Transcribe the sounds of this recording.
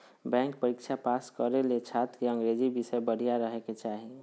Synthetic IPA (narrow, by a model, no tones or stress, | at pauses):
bɛ̃ŋkpəɾikt͡ʃʰapaskəɾelet͡ʃʰat̪keə̃ŋɡɾed͡ʒibisəbəɽ̤ijaɾəɦɛket͡ʃaɦi